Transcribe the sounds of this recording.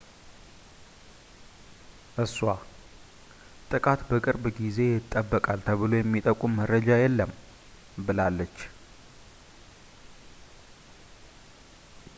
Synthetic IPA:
ʔɨswa | t̪ʼɨkʼat̪bəkʼɨɾbɡize̞jɪt̪ʼːəbːəkʼalt̪ʰəβɨlo̞jɛmːit̪ʼəkʼumːəɾəd͡ʒajɛlːəm | bɨlalːət͡ʃː

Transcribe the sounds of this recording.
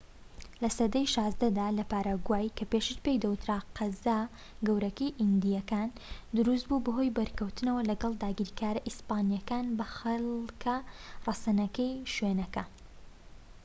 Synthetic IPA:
lɐsɐd̪ɐjʃɑːzd̪ɐd̪aːlɐpaːɾaːɡwaːjkʰɐpeʃit͡ʃpe̞jd̪ɐwɨt̪ɾaqʰɐzaː | ɡɐwɾɐkɐjʔind̪ijɐkaːnd̪ʊɾus̬t̪̚bubɐɦo̞jbɐɾkɐwt̪ɨnɐwɐlɐɡɐlˠd̪aːɡiɾkʰaːɾɐʔispaːnijɐkaːnbɐxɐlkʰɐrˤɐsɐnɐkɐjʃwenɐkɐ

